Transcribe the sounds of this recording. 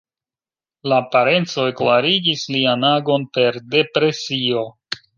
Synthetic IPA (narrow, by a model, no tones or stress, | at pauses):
laːpaɾe̞nt͡so̞eklaɾiɡislianaɡo̞npe̞ɾde̞pɾe̞sio̞